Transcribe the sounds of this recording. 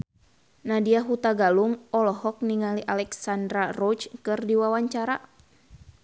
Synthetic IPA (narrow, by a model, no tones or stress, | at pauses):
nadiaɦut̪aɡaluŋɔlɔɦɔk̚niŋaliʔalɛksandɾarɔt͡ʃkɨrdiwawaɲt͡ʃaɾa